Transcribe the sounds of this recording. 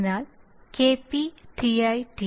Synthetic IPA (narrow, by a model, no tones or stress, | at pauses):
naːl | keːpiʈiɐjʈi